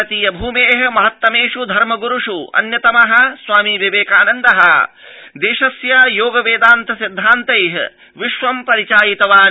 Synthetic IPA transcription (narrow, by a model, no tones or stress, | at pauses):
ɐt̪ijɐbʱuːmeːɦɐ̆mɐɦɐt̪ːɐmeːʂud̪ʱɐɾmɐɡuɾuʂuɐ̰njɐt̪ɐmɐɦɐ̆sʋaːmiʋɐʋeːkaːnɐnd̪ɐɦɐd̪eːʃɐsjajoːɡɐʋeːd̪aːnt̪ʰɐsid̪ʱːaːnt̪ɐjɦɐ | ʋiʃʋɐmpɐɾit͡ʃaːjit̪ɐʋaː